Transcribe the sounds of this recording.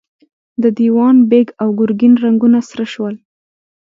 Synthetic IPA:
d̪əd̪iwɑnbeɡawɡʊɾɡinɾaŋɡunasɾəʃwəl

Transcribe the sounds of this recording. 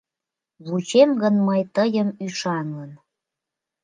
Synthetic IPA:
βut͡ɕemɡənməjt̪əjəmyʃɑŋən

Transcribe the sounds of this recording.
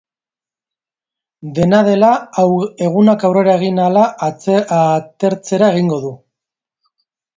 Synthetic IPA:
d̪e̞naðe̞lae̞ɣ̞unakawre̞ɾae̞ɣ̞inala | t̪e̞ɾt͡se̞ɾae̞ɣ̞iŋɡo̞ðu

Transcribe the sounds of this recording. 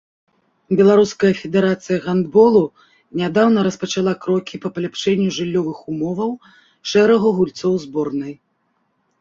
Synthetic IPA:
bʲɛlˠaɾuskɐjɐfʲɛd̪ɛɾat̪sɨjɐɣand̪bɔlˠu | nʲad̪awn̪ɐɾɐspɐt͡ʂalˠakɾɔkʲipɐpɐlʲapʂɛnʲːuʐɨlʲːɔvɨxumɔvɐw | ʂɛɾɐɣɐɣulʲt̪sɔwzbɔrnɨj

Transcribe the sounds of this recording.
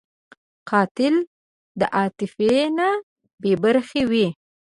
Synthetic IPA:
qɑt̪ɪl | d̪əʔɑt̪ɪfena | bebaɾxewi

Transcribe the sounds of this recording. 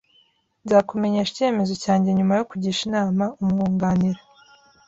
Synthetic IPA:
nzakume̞ɲeʃice̞ːme̞zo̞caːɲɟe̞ɲumajo̞kuɟiːʃinaːmaumŋuːŋɡaːniɾa

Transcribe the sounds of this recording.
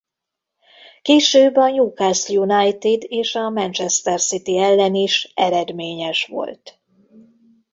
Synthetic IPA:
keːʃøːbːɒjuːkasjunɑjt̪id̪eːʃɒmɛnt͡ʃɛst̪ɛrsit̪iɛlːɛniʃɛɾɛd̪meːɲɛʃʋo̞̰lt̪

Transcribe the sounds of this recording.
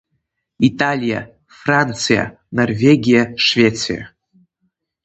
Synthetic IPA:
italʲija̰ | frant̪sʰɨja̰ | norvʲeɡʲijaʂvʲet̪sʰɨ̰ja̰

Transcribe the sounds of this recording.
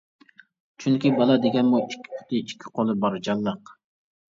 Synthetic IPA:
t͡ʃʰyŋkʲibɑlˠɑd̪eɡʲɛnmuikʲʰːi̥pʰʊ̥t̪ɪikʲʰːi̥qʰolˠɨbɑɾd͡ʒɑlˠːəq

